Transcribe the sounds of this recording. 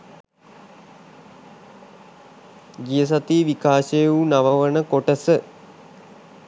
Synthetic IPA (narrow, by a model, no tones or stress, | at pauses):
ɡijəs̬at̪iːʋikaːsejunaʋəʋənəkoʈəsə